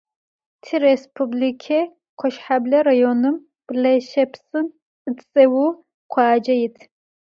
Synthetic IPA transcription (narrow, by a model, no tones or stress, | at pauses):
tʰirespʰublikʰe | qʷʰɔʃħablɐrajonɨm | b̥lɐʃɐpʰsʼɨn | ɨtt͡sʼɐwu | qʷʰɑːd͡ʒɐjɪtʰ